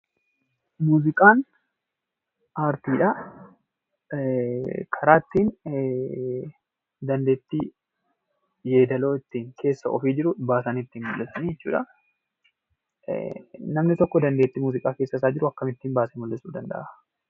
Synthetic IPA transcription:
muːzɪkʼaːn | ʔaːɾt̪iːᶑɐ | kʰɐɾaːt̪ːiːn | d̪ɐnd̪e̞ːt̪ːi | jeːd̪ɐlo̞ːɪt̪ːiːŋkʰe̞ːsːɐʔɔfiːd͡ʒɪɾʊbaːsanɪt̪ːiːnmʊlːɛsɐniːɛt͡ʃːṵːᶑɐ | nɐmnɪt̪ɔkːɔd̪ɐnd̪e̞ːt̪ːimuːzɪkʼaːke̞ːsːɐsaːd͡ʒɪɾʊɐkːɐmɪt̪ːiːnbaːsemʊlːɛsuːd̪ɐnd̪ɐ̰ʔɐ

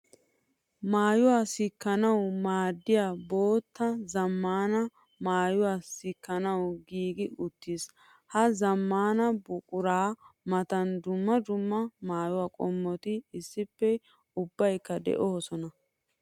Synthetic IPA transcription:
maːjʊwaːsɪkːɐnɐwmaːd̪ːɪjaːbo̞ːt̪ːɐzɐmːaːnɐ | maːjʊwaːsɪkːɐnɐwɡiːɡɪʔʊt̪ːis | hɐzɐmːaːnɐbʊkʼʊɾaːmɐt̪ɐnd̪ʊmːɐd͡ʒ̪ʊmːɐmaːjʊwaːkʼɔmːɔt̪ɪɪsːɪpːɛ | ʊbːɐjkːɐd̪ɛ̰ʔoːsɔnɐ

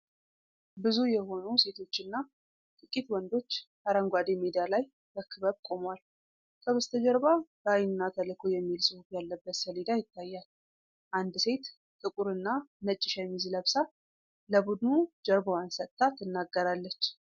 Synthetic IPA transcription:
bɨzujɛho̞nuse̞t̪ʰo̞t͡ʃːɨnːa | t̪ʼɨkʼːit̪wɔnd̪o̞t͡ʃːkaɾəŋɡʷad̪emed̪ijalaj | bəkʰɨβəβkʼo̞mwal | kʰəβəst̪ʰəd͡ʒəɾbabəajnnːat̪ʰəlɨkʰojɛmːilsɨhufjalːəbːət̪səled̪ajɪt̪ːajːal | ʔand̪se̞t̪ | t̪ʼɨkʼuɾɨnːanət͡ʃʼːɪʃamːizləβsa | ləbud̪nud͡ʒəɾbəwansət̪ʼt̪ʼːat̪ʰːɨnːaɡːəɾalːət͡ʃː

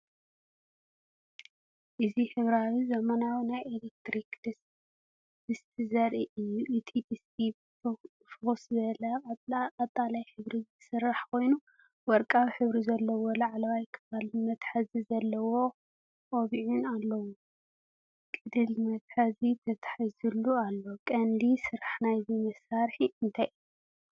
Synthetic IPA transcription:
ʔɨziħɨβɾawizɐmɐnawinajelek̚t̪ɾikd̪ɨs | ɨst̪ʰizɐɾʔiʔiʔt̪ʰibisi | fɣuszɐlɐqʼɐt̪ʼʰːalajħɨβɾizɨsɨrːaħkʰo̞jnu | wɔɾkʼaβħɨβɾizɐlːɐwolaʕalɐβajkʰɐβalmɐt̪ħazizɐlːɐwo̞ | ʔʼoβiʕunalːɐwu | kʼɨd̪ɨlmɐt̪ħazit̪ʰɐt̪ʰḁħizulːualːo̞kʼɐnd̪isɨɾaħnajzimɐsaɾħiɨnt̪ʰaji

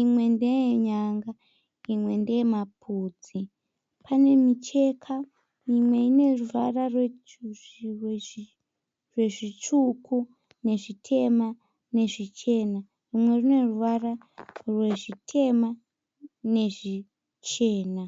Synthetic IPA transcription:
imwe̞ndejɲaŋɡa | imwe̞ndejemapʰuːd͡zi | pʰane̞mit͡ʃe̞kʰa | imwe̞ine̞ruʋararwe | w | rwe̞ʐit͡ʃukʰu | ne̞ʐitʰe̞ma | ne̞ʐit͡ʃe̞ːna | rimwe̞rine̞ruʋara | rwe̞ʐitʰe̞ma | ne̞ʐi | t͡ʃe̞ːna

